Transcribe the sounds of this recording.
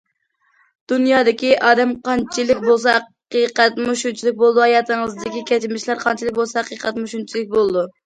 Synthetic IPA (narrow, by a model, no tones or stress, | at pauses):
d̪̥unjɑːd̪ɪkʲiʔɑːd̪ɛmqɑnt͡ʃʰilɪkʲbolˠs̬ɑqijqɛt̪muʃunt͡ʃʰilˠɪk̚ʲbolˠd̪uhɑjɑːt̪ɨŋəzd̪ɪkʲikʲɛt͡ʃɪmɪʃlæɾqʰɑnt͡ʃʰilˠɪk̚ʲbolˠsɑqiqʰɛt̪muʃunt͡ʃʰilɪk̚ʲbolˠɨd̪u